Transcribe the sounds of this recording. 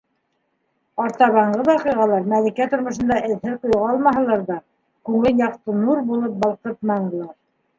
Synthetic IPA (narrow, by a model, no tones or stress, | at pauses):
ɑɾt̪ɑβɑɴɢɤβɑqɤʁɑlˠɑɾmælikæt̪ŏɾmŏʃɤ̆nd̪ɑʔɘ̆ðhɘðqŏjʁɑɑlˠmɑɦɤ̆lˠɑɾðɑ | kʉŋɘljɑqt̪ɤnuɾbulˠɤp̚bɑlˠqɤt̪̚mɑɴɤ̆lˠɑɾ